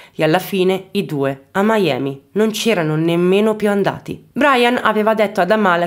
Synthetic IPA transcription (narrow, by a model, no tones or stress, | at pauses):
ealːafiːneid̪uːeamːajɛ̰ːminont͡ʃɛːɾanonemːeːnopjuand̪a̰ːt̪ḭbɾajana̰veːvad̪et̪ːoad̪amaːle